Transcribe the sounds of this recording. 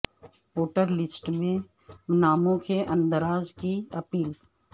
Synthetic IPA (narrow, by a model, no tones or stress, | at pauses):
oːʈəɾlɪsʈmẽ | naːmõkeʔɐ̃nd̪əɾaːzkiɐpiːl